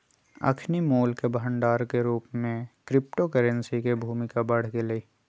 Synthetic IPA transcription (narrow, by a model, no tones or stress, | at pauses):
ə̰kʰnimoːlkebɦəɳɖaːɾkeɾuːpmẽkɾɪp̚ʈokəɾə̃nsikebʱuːmɪkabɐɽ̤keleiː